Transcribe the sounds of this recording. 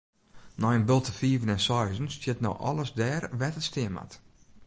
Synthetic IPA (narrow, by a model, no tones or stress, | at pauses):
nɔjənbɪlˠtəfiːvənɛnsɔjzənstɪtno̰wʔɔ̰lˠəsdɛːrʋɛtəstɪəma̰t